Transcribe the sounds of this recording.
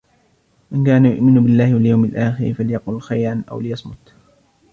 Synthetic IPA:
ʔɪnkaːnajʊ̰ʔmɪnbɪlːaːhɪwaljawmɪlʔaːxɪɾfaljɑqʊlxajɾˤɑnʔa̰wlɪjɑsˤmʊ̰t̪

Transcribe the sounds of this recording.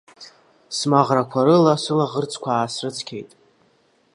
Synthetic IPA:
smaʁrakʷʰaɾɨlasɨlaʁərt͡sʰʼkʷʰaːsrɨt͡sʰkʲʰe̞jtʼ

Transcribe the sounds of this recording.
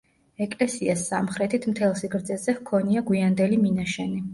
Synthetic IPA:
ɛkʼlɛsiasːamχɾɛt̪ʰit̪ʰmt̪ʰɛlˠsiɡɾd̪zɛzɛhkʰɔniaɡwiand̪ɛliminaʃɛni

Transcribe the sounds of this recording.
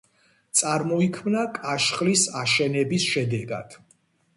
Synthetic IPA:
t̪sʼaɾmɔikʰmnakʼaʃχlisaʃɛnɛbisʃɛd̪ɛɡa̰d̪̥

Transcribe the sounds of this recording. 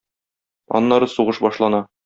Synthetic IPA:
ɒ̰nːɑɾɤsuʁɤʃbɒʃlˠɑnɑ

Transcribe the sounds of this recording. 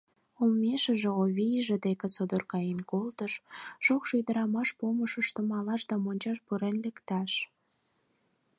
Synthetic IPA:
olmeʃə̆ʒeoβʲijʒĕd̪eket͡sod̪orkɑjenkolt̪əʃʃokʃøjd̪əɾɑmɑʃpoməʃəʃt̪ə̆mɑlɑʃd̪ɑmonʲt͡ɕɑʃpuɾenlekt̪ɑʃ

